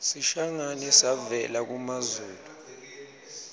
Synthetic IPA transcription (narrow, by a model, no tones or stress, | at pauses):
siʃaŋanisavɛlak̬umazuːlu